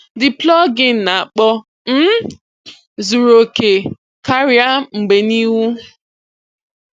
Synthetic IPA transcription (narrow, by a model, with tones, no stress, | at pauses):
dɪ˨plɔ˦ɡɪ˦n̩˨na˨a˨k͡pɔ˦ | m̩˦ | zu˨ɾo˨ke˨ | ka˦ɾja˦ŋ͡m̩˨ɡ͡be˨ni˦wu˦